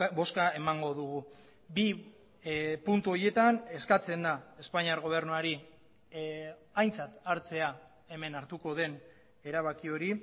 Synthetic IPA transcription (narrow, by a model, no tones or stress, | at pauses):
bo̞skae̞maŋɡo̞ðuɣ̞u | bi | punt̪uo̞ɾje̞t̪ane̞skat͡se̞nd̪ae̞spaɲiaɾɣo̞β̞e̞ɾnuaɾi | ajnt͡sat̪aɾt͡se̞a | e̞me̞naɾt̪uko̞ð̞e̞n | e̞ɾaβakio̞ɾi